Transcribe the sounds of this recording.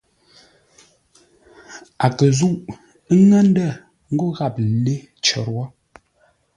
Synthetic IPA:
a˨kə˨zu˦˨ʔ | ŋə˦n̩˦də˦˨ | ŋ̩˦ɡo˦ɣa˦˨p̚le˦ | t͡ʃə̰˨ɾwɔ˦

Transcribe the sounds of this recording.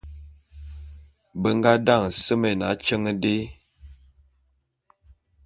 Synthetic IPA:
bə˦ŋ˦ɡa˦da˦˨ŋ˨sə˦me˨na˨˦t͡ʃə˦ŋə˦de˦

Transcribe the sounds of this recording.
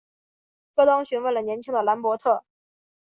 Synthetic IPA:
kɤ˥˧t̪ɑ˥ŋɕy˧˥nwe˥˩lə˩njɛ˧˥nt͡ɕʰi˥ŋd̪ə˨la˧˥npwɔ˧˥t̪ʰɤ˥˩

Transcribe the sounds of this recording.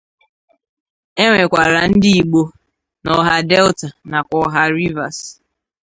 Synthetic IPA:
e˦ŋʷe˨kʷa˨ɾa˨n̩˦dɪ˦i˨ɡ͡bo˦ | nɔ˨ɦa˦dɛ˦lta˨na˨kʷɔ˨˦ɦa˦ɾi˦va̰˨s

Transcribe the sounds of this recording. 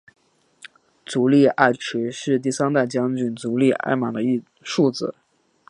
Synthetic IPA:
t͡su˧˥li˥˧a˥˩ɪʈ͡ʂ̩ʰ˧˥ʂɻ̩˥˧t̪̬i˥˩sa˥nt̪a˥˩t͡ɕjɑ˥ŋt͡ɕy˨˩nt͡su˧˥li˥˧ʔa̰˥˩ɪmɑ˨˩d̪ə˦i˥˧ | ʂu˥˧t͡sɹ̩˨˩˦

